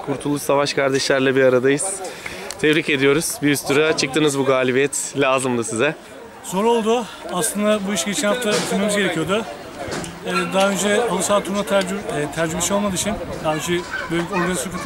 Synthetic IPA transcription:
kʰuɾt̪ʰulˠuʃsavaʃkʰaɾd̪ɛʃlʲæɾlʲɛbiɾaɾad̪ajɯz̥t̪ʰɛvɾice̞d̪ijo̞ɾuz̥biyst̪ʰuɾat͡ʃʰɯk̚t̪ɯnɯzbuɡaːlʲibijɛt̪lʲaːzɯmd̪ɯsizɛ | z̥o̞ɾo̞lˠd̪ʊ | aslˠɯnd̪abuiʃɟe̞t͡ʃʰɛnhaft̪ʰabit̪ʰilme̞mizɟe̞ɾecʰijo̞d̪ʊ | ɛːd̪aɦaø̞nd͡ʒɛalˠɯsalˠt̪ʰuɾunat̪ʰæɾd͡ʒybiʃejo̞lˠmad̪ɯːt͡ʃʰɯnd̪aːønd͡ʒɛbøjʲo̞ɾɡanisokʰa

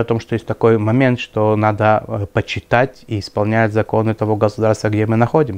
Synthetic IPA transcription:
ɐt̪o̞mʂt̪ojesʲt̪̚ʲɐko̞jmɐmʲe̞nt̪ʂt̪o̞nad̪əpət͡ɕːɪt̪atʲiːɪspɐlˠnʲætʲzɐko̞nɨt̪ɐvo̞ɡəsʊd̪aɾrst̪vəɡdʲemɨnɐxo̞dʲɪm

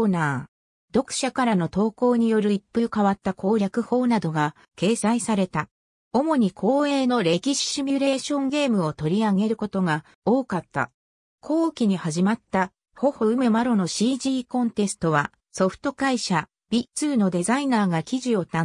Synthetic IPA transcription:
naː | d̪o̞kɯ̟̥ɕakaɾano̞t̪o̞ːko̞ːɲ̟ijo̞ɾɯ̟ipːɯ̟kaβat̪ːakʰo̞ːɾʲjakɯ̟ho̞ːnad̪o̞ɡa | ke̞ːsaisaɾe̞t̪a | o̞mo̞ɲ̟ikʰo̞ːe̞ːno̞ɾe̞kʲiɕi̥ɕimʲiɾe̞ːɕõ̞ŋɡe̞ːmɯ̟o̞t̪o̞ɾʲiaɡe̞ɾɯ̟ko̞t̪o̞ɡa | o̞ːkat̪ːa̰ | kʰo̞ːɯkʲiɲ̟ihaʑimat̪ːa | ho̞ho̞ɯ̟me̞maɾo̞no̞ɕiːʑiːkõ̞nt̪e̞sɨ̥t̪o̞βa | so̞ɸɯ̟̥t̪o̞kaiɕa | b̥ʲit͡sɨːno̞d̪e̞zainaːɡakʲiʑio̞t̪ã

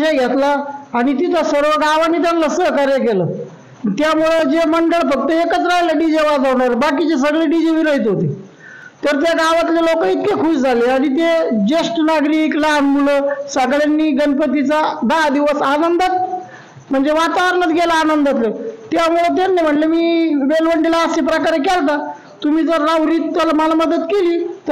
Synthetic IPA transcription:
ɕajɡʱet̪laːɽ̃it̪it̪ʰasəɾʋəɡaʋanit̪̬janləsəɦkaɾjəkeləː | t̪jamuɭəd͡ʑeməɳɖəɭfək̚t̪əekət͡sɾaɦlaɖid͡ʑeʋad͡zʱaʋɳaɾebakit͡ɕes̬əɡɭeɖid͡ʑeʋiɾəɦit̪ɦot̪ḛ | t̪əɾt̪jaɡaʋat̪lelokəit̪̚kekʰuɕd͡zʱaleaɽ̃it̪ed͡ʑesʈnaɡɾiklanmuləsəɡɭanːiːɡənpət̪it͡sad̪ad̪iʋəsanənd̪at̪̚ | m̤əɳd͡zeʋat̪aʋəɾəɳət̪ɡelaːnənd̪at̪let̪jamuɭət̪ennajm̤əɳʈlemiːʋelʋəɳɖilaːsepɾəkaɾək̬alt̪a | t̪umiːd͡zəɾːaʋɾiːt̪t̪ːəlamalaməd̪ət̪keliːt̪ə

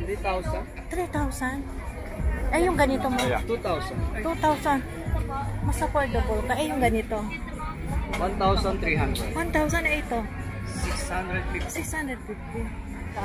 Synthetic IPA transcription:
it̪awsan | t̪ɾit̪awsan | ʔɛjʊŋɡɐnɪt̪omot̪ut̪awsant̪ut̪awsan | mɐsapɔld̪okok̪aʔɛjʊŋɡɐnɪt̪o | want̪awsant̪ɾiɦand̪ɾɛd̪want̪awsanejt̪o | sɪkshand̪ɾɛd̪̚fɪsɪkshand̪ɾɛd̪̚fɪft̪i

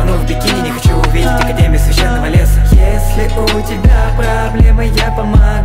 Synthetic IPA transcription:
novbʲɪkʲinʲɪnʲɪxɐt͡ɕuʊvʲidʲɪtʲɐkɐdʲemʲɪʊsvʲɪɕːenːəvəlʲesəjesʲlʲɪʔʊtʲɪbʲapɾɐblʲemɨjapəmɐ

